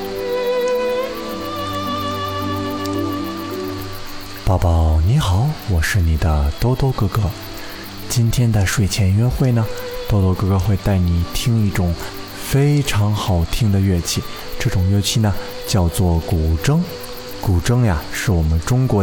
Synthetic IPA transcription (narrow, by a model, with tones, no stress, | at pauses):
pɑ˥˩ʊpɑ˥˩ʊni˧˥xɑ˨˩˦ʊwɔ˨˩ʂɻ̩˥˩ni˨˩d̪ə̰˦t̪o˥ʊt̪o˥ʊkɤ˥˧kɤ˥ | t͡ɕi˥nt̪ʰjɛ˥nd̪ə˨˧ʂwe˥˩ɪt͡ɕʰjɛ˧˥nɥɛ˥xwe˥˩ɪnə˩t̪o˥ʊt̪wɔ˥˧kɤ˥˧kɤ˥˧xwe˥˧ɪt̪a˥˩ɪni˨˩t̪ʰi˥ŋi˥˩ʈ͡ʂʊ˨˩˦ŋ | fe˥ɪʈ͡ʂʰɑ˧˥ŋxɑ˨˩ʊt̪ʰi˥ŋd̪ə˨ɥɛ˥˧t͡ɕʰi˥˩ | ʈ͡ʂɤ˥˩ʈ͡ʂʊ˨˩ŋɥɛ˥˧t͡ɕʰi˥˩nə˩ | t͡ɕjɑ˥˧ʊt͡swɔ˥˩ku˨˩ʈ͡ʂɤ˥ŋ | ku˨˩ʈ͡ʂɤ˥ŋja˨ʂɻ̩˥˩wɔ˨˩mə˦nʈ͡ʂʊ˥ŋkwɔ˧˥